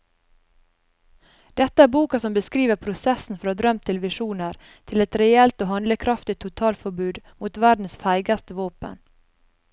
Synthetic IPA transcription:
d̪̥ɛt̪əæːɾbuːkɑsɔmbəskɾiːʋəpʰɾʊsɛsn̩fɔɾɑːd̪ɾœmt̪ʰɪlʋɪʂuːnəɾ | t̪ʰɪlɛt̪ɾɛɛlt̪oːhɑnləkʰɾɑft̪ɪt̪ʰːʊt̪ʰɑːlfɔɾbʉːd̪muːt̪ʋæɖn̩sfæɪɡɑst̪əʋoːpə̰n

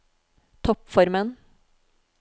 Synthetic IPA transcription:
t̪ʰɔpfɔɾmən

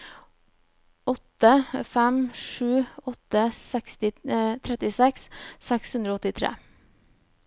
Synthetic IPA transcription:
ɔt̪əfɛmʂʉːɔt̪əsɛkst̪ɪt̪ʰɾɛt̪ɪsɛksːɛkshʉnd̪ɾoɔɔt̪ɪt̪ʰɾḛː

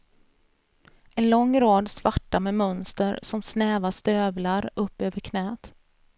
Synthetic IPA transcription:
ʔɛnlɔŋːɾɑːd̪svaʈːamɛmœnst̪əɾsɔmsnɛːvast̪øːvlaɾɵpːøːvəɾkʰnɛːt̪

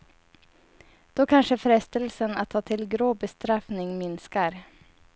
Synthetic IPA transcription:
d̪̥oːkʰanʂəfɾɛst̪əlsəna̰t̪ʰːɑːt̪ʰɪlɡɾoːbəst̪ɾɑfnɪŋmɪnskəɾ

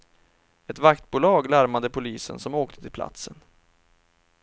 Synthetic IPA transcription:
ɛt̪vakt̪̚buːlɑːɡlaɾmad̪əpʰʊliːsə̰nsɔmoːk̚t̪ʰət̪ʰɪlpʰla̰t̪sən

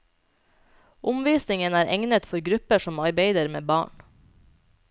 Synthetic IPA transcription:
ʔʊmʋiːsnɪŋənæːɾʔɛ̰ŋnət̪fɔɾɡɾʉpəʃɔmɑɾbeɪd̪əɾmḛːbɑ̰ːɳ

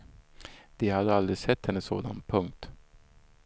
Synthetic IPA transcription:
d̪̥ɪhad̪əald̪ɾɪsɛt̪hɛnːəsːo̰ːd̪a̰npʰɵŋk̚t̪

